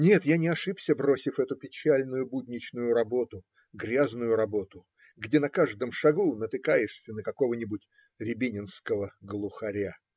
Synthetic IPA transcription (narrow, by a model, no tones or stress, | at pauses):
nʲe̞t̪janʲɪɐʂɨpsʲəbɾo̞sʲɪfɛt̪ʊpʲɪt͡ɕælʲnʊjʊbud̪ʲnʲɪt͡ɕnʊjʊɾɐbo̞t̪ʊ | ɡɾʲaznʊjʊɾɐbo̞t̪ʊ | ɡdʲenɐkaʐd̪əmʂɐɡunət̪ɨkajɪʂsʲənəkɐko̞vənʲɪbʊtʲ | ɾʲɪbʲinʲɪnskəvəɡlˠʊxɐɾʲa